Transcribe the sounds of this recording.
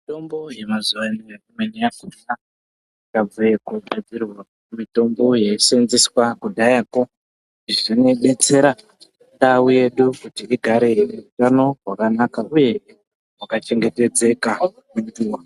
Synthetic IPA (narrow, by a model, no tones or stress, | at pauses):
ito̞mbo̞je̞mazuwanijaumwenijakuna | kab͡vujekuɡʱad͡zirwa | umito̞mbo̞je̞senziswakudʱajako | iʐine̞ɓe̞t͡se̞ɾa | ndawuje̞ɗukutiiɡʱaɾe̞jrerutano̞rwakanakauje̞ | wakat͡ʃe̞ŋɡe̞te̞d͡ze̞ka | unduwa